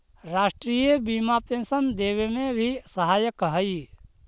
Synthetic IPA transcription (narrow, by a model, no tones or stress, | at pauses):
ɾaːʃʈɾiːjəbimapẽnsənd̪eːʋemẽbʱisəɦaːjəkɦəi